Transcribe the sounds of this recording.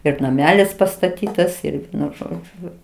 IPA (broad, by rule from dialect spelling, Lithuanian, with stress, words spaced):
ɪr nɐˈmʲæːlʲɪs pɐstɐˈtʲiːtɐs ɪr ˈʋʲiɛnʊ ˈʒoːd͡ʒʲʊ